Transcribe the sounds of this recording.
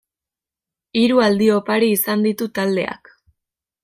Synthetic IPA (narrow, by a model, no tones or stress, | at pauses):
iɾuald̪io̞paɾiːsand̪it̪ut̪ald̪e̞̰a̰k